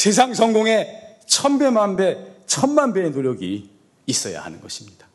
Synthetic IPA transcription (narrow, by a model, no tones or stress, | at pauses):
se̞s̬ʰaŋsʰʌŋɡoŋe̞ | t͡ɕʰʌmbe̞manbe̞t͡ɕʰʌnmanbe̞ːnoɾjʌɡiː | s͈ʌja̰ha̰nɯnɡʌɕʰimɲid̥ḁ